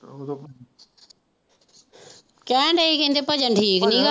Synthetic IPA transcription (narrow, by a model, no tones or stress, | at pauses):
kɛ̃ːɳɖeikẽːnd̪epəd͡ʒə̃ɳʈʰiːknĩːka